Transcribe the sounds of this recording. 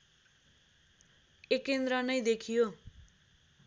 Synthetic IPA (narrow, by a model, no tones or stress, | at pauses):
ekend̪ɾʌnʌjd̪ekʰijo